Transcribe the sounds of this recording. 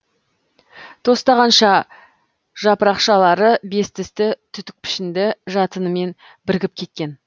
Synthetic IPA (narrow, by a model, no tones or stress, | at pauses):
t̪ʰo̞st̪ɑʁɑnʃɑ | ʒ̥ɑpəɾɑqʃɑlˠɑɾəbe̞st̪ɪst̪ɪt̪ʰʏt̪ɪk̚pʰɪ̥ʃɪnd̪ɪʒɑt̪ənəme̞n | bɪɾɡʲɪp̚kʲʰe̞t̪̚kʲe̞n